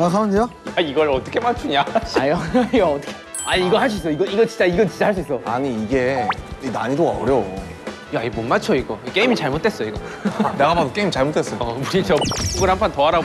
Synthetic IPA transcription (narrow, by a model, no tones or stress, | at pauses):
asʰaɲeojaiɡʌɾʌt͈ʌkʰemat͡ɕʰuɲaajoiɡaʌt͈kʰ | aiɡʌɦaɭs̬͈uis͈ʌoiɡʌiɡʌt͡ɕint͡ɕ͈aiɡʌt͡ɕint͡ɕahaɭs̬͈uis͈ʌaɲiːɡe̞inaɲidoɡaʌ̰ɾjʌo | iaimonmat͡ɕʰʌiɡʌik͈eimit͡ɕaɭmot͈̚ʰes͈ʌoiɡʌne̞ɡamadok͈eimit͡ɕaɭmot͈es͈ʌjuɾit͡ɕʌboɡɯnhampʰantʌɦaɾa